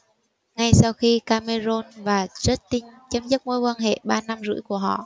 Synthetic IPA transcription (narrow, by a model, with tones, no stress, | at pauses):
ŋa˧jsa˧wxi˧kaː˧me˧zo˧nvaː˨˩zə˦˥t̚t̪i˧ŋt͡ɕə˧˦mzə˦˥p̚ŋo˧˦jkwaː˧nɦḛ˧˨ɓaː˧na˧mzɨ̰˧˥jku˧˩əɦɔ̰˧˨ʔ